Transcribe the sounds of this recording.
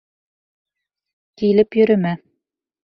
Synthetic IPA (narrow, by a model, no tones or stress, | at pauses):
kilɘpjɵ̆ɾɘ̆mæ